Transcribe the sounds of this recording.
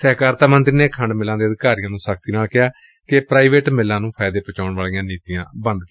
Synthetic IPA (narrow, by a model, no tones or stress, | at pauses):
sɛːkaːɾt̪aːmənt̪ɾiːneːkʰəɳɖmɪlãːd̪eːəd̪kaːɾijãːnũːsəkʰt̪iːnaːlkɪaː | kɪpɾaːiʋeːʈmɪlːãːnũːpʰaːɪd̪eːpət͡ʃaːʊɳʋaːlijãːniːt̪ijãːbə̃nd̪ki